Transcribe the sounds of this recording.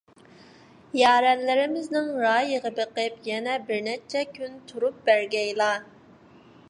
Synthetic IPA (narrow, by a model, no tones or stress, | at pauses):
jɑːɾɛnlɪɾɪmɪznɪŋɾɑːjəʁəbɨqəpjɛnɛbɪɾnɛt͡ʃʰɛkʲʰynt̪ʰuɾup̚bæɾɡʲɛjlˠɑ